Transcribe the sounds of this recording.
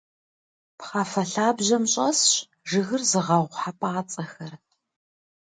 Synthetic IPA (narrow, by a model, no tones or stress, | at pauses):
pχɐfɐɬaːbʑɐmɕʼɐsɕ | ʐɨɣɨrzɨʁɐʁʷħapʼaːt͡sʼɐxɐr